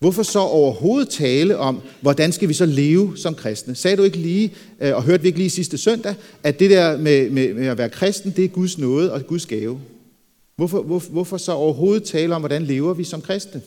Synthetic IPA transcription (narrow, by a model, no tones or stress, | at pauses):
ʋɔfɒ̽sɒ̽ʔɒʊɐho̝ːð̩ˠt͡sʰɛːləʔɒ̽mʋɒd̥ænsɡ̥æʋisɒ̽le̝ːʊsɒ̽mkʰʁɛsd̥nəsɛːd̥ue̝ɡ̥əliː | ɒ̽ɦøɐd̥ʋie̝ɡ̥liːsisd̥əsœn̰d̥ææd̥e̝d̥eɐmememeæʋæːɐkʰʁɛsd̥n̩d̥e̝æɐɡ̥uðˠsnɔ̽ːð̞̩ˠɒ̽ɡ̥uð̞ˠsɡ̥ɛːʊ | ʋɒfɒʋɔʋɔfɒ̽sɒ̽ɒʊɐɦo̝ːð̞̩ˠt͡sʰɛːləɒ̽mʋɒɾ̥ænle̝ːʊɐʋisɒ̽mkʰʁɛsd̥nə